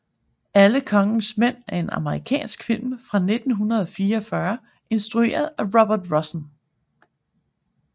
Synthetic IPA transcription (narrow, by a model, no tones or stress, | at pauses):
ʔæləkʰɒ̽ŋn̩smen̰æɐe̝nʔɑ̰̈məʁikʰɛ̰ːnsɡ̥fil̰mfʁɑ̈ne̝d̥n̩ɦunɐð̞̩ˠɒ̽fiːɐːfɶɐ | ʔe̝nsd̥ʁue̝̰ːɐð̞̩ˠæʁɒb̥ɐd̥ʁɒsn